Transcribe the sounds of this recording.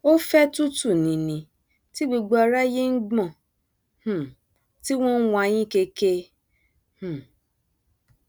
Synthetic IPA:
o˦fɛ˦tu˦tu˦˨nĩ˨nĩ˨ | ti˦ɡ͡bo˧ɡ͡bo˧a˧ɾa˦je˦n̩˦ɡ͡bɔ̃˦˨ | h̩˦˨ | ti˦w̃ɔ̃˦n̩˦wɔ̃˧a˧j̃ĩ˦ke˧ke˧ | h̩˦˨

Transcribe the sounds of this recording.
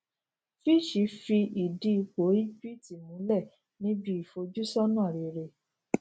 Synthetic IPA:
fi˦˨ʃi˨˦fi˧i˨di˨˦˧k͡po˨˦i˦pi˦ti˨mũ˨˦lɛ˦˨ | nĩ˦bi˦i˨fo˧d͡ʒu˦sɔ˦nãː˦˨ɾi˨ɾe˧˨

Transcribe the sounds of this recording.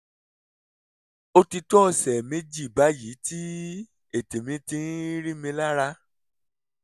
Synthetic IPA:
o˦ti˧tɔ˦˨sɛ˨me˦d͡ʒi˦˨ba˨˦ji˨˦ti˦ | e˦˨te˨mĩ˧˦tĩ˧˦ɾi˦mĩ˧la˦ɾa˧

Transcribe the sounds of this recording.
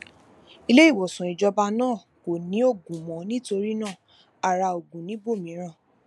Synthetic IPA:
i˦˧le˦i˦˨wɔ˨sũ˨i˨d͡ʒɔ˧ba˧nãː˦˨ | ko˨nĩ˨˦o˦˨ɡũ˨mɔ̃˨nĩ˦to˧ɾi˦nãː˦˨ | a˨ɾa˧o˨ɡũ˨nĩ˨˦bo˦˨mĩ˨˦ɾ̃ã˦˨

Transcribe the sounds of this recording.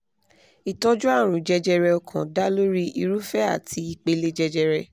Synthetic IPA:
i˨tɔ˦d͡ʒu˦a˦˨ɾ̃ũ˨d͡ʒɛ˧d͡ʒɛ˧ɾɛ˧ɔ˧kʰã˨da˦lo˦ɾi˦i˧ɾu˦fɛ˦a̰˦˨tʰi˧i˨k͡pe˨˧le˦d͡ʒɛ˧d͡ʒɛ˧ɾɛ˧

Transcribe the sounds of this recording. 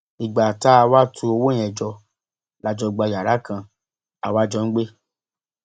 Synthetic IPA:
i˨ɡ͡ba˨ta˨˦a˧wa˦tʰũ˧˦o˧wo˦j̃ɛ̃˨d͡ʒɔ˧ | la˨˧d͡ʒɔ˧ɡ͡ba˧˨ja˨ɾa˨˦kʰã˧ | a˨wa˦d͡ʒɔ˧n̩˦ɡ͡be˦

